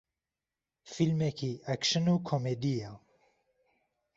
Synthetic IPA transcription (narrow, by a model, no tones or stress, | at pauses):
filmɛkʰiːʔækʃɨnuːkʰomed̪ijaː